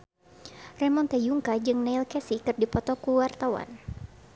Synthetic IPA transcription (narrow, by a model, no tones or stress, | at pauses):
rɛmɔnt̪ɛjuŋkad͡ʒɨŋneilkɛsikɨrdipɔt̪ɔkuwart̪awa̰n